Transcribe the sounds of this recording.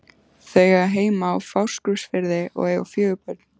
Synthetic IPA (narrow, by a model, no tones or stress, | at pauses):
θœɥɣaɦeːjmaawfawr̥skɾʏsfɪɾðɪʔɔ̰ɣeːjɣa̰wfjœːɣʏpœt̪n̥